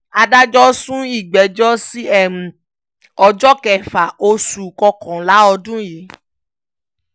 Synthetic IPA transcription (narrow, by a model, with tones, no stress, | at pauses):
a˧da˦d͡ʒɔ˦sũ˦i˦˨ɡ͡bɛ˨d͡ʒɔ˦si˦ɛ˦˨mũ˨ | ɔ˧d͡ʒɔ˦kɛ˨fa˨o˦su˨kɔ˧kɔ̃˨la˨˦ɔ˧dũ˦je˨˦